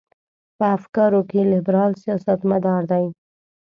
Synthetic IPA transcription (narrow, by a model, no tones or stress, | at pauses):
pəafkɑɾokelɪbɾɑlsijɑsat̪mad̪ɑɾd̪aj